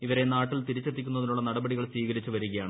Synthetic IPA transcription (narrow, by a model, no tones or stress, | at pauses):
iʋɐɾe̞naːʈːilt̪iɾit͡ɕːet̪ːikʲːunːɐðinuɭːɐnɐɽɐbɐɽiɣɐɭsʋiːɣɐɾit͡ɕːɨʋɐɾuɣɐjaːɳɨ